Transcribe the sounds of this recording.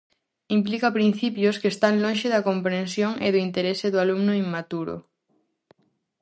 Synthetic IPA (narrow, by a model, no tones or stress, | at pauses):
implikɐpɾin̟θipjʊskeːst̪aŋlõnʃeðɐkompɾensjoŋḛðʊint̪eɾesɪðʊalumnʊiŋmat̪uɾʊ̰